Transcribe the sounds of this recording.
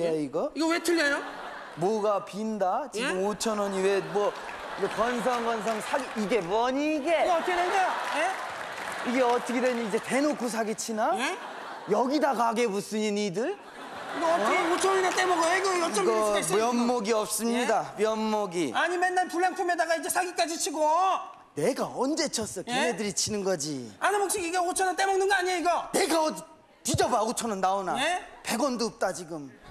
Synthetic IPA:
eiɡʌiɡʌwetʰɯʎːajo | moɡapindat͡ɕiɯmot͡ɕʰʌnʌniwemwʌ | iɡekʌns̬ʰʌŋɡʌns̬ʰʌŋsʰaɡiiɡe̞mʌɲiɡe̞t | e | iɡe̞ʌt͈ʰʌkʰedweɲiid͡ʑe̞te̞nokʰus̬ʰaɡet͡ɕʰina | jʌɡidaɡaɡe̞bus͈ɯɲinidɯɭ | ɡot͡ɕʰoɾinat̪͈emʌɡoiɡʌiɡʌʌɡʌmjʌmmoɡiʌp̚s͈ɯmɲidamjʌnmoɡiaɲimenːaɭpuɭːankʰumedaɡaid͡ʑe̞sʰaɡik͈ad͡ʑit͡ɕʰiɡo | ne̞ɡaʌnd͡ʑe̞t͡ɕʰʌs͈ʌkimedɯɾit͡ɕʰinɯnɡʌd͡ʑianɯmok̚s͈iɡiɡaɡot͡ɕʰʌnat͈emʌŋnɯnɡʌaɲiaiɡʌne̞ɡaʌdi | tid͡ʑʌbaɡot͡ɕʰʌnɯnːaonaepe̞ɡwʌndoːp̚t͈at͡ɕiɡɯm

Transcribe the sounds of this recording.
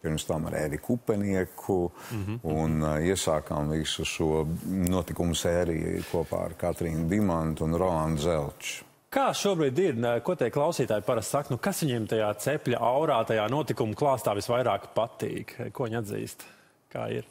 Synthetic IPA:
piɾmst̪ama̰ɾɛ̰dikʰupɛniɛkʰu | uniɛsaːkamvisuʃuɔnuɔt̪ikumsɛːɾḭj̰kʰuɔpa̰ːa̰ɾkat̪ɾiːnd̪imant̪unɾɔlˠand̪zɛlˠt͡ʃ | kaːʃuɔbɾiːd̪iɾkuɔt̪ɛjklˠɑwsiːt̪aːjpaɾast̪sakt̪nukasʋiɲimt̪ajaːt̪sɛpʲlʲa̰ʔawɾaːt̪ajaːnuɔt̪ikumklˠɑːst̪aːʋisʋajɾaːkpat̪ḭːkkuɔiɲad̪zḭːst̪ | ka̰ːḭɾ

